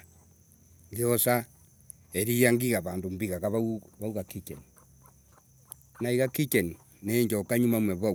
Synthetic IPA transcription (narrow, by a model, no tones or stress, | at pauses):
ɡeosa | eɾijaŋɡiɣaβaːndombiɣaɣaβauβauɣakit͡ʃeni | naiɣakit͡ʃeni | neːɲd͡ʒokaɲumamweβa